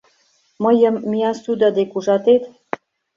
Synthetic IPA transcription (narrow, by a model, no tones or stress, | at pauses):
mə̆jəmːiɑsud̪ɑd̪ekuʒɑt̪et̪